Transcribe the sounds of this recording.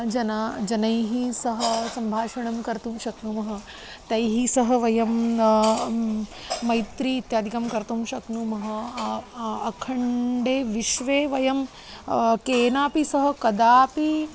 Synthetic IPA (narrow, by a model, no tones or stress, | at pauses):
d͡ʒɐnaːd͡ʒɐnɐjɦisɐɦɐsɐmbʱaːʃɐɳɐmkɐɾt̪umʃɐknuːmɐɦɐ̆ | t̪ɐjɦisɐɦɐ̆ʋɐjɐm | ɐjt̪ɾiːt̪jaːd̪ʱikɐmkɐɾt̪umʃɐknumɐɦɐ̆ | ɐkʰɐɳɖeːʋiʃʋeːʋɐjɐm | keːnaːpisɐɦɐ̆kɐd̪aːpi